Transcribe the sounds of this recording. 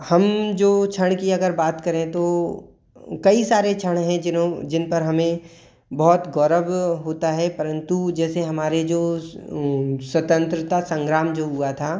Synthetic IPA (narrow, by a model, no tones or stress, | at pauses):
hɐmd͡ʒoːt͡ʃʰəɽ̃kiɐɡəɾbaːt̪kɐɾẽt̪oː | kɐisaːɾet͡ʃʰəɽ̃ɦɛ̃d͡ʒɪnpɐɾɦɐmẽ | bɔɦt̪ɡɔːɾəʋɦoːt̪aɦɛpɐɾə̃nt̪ud͡ʒɛːseɦɐmaːɾed͡ʒoː | swɐt̪ə̃nt̪ɾɪt̪asɐ̃ŋɡɾaːmd͡ʒoːɦuat̪ʰaː